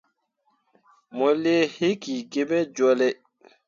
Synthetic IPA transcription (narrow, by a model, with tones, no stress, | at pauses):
mɔ˨le˦he˦ki˨ɡe˦bɛ˦d͡ʒɔ˦lɛ˦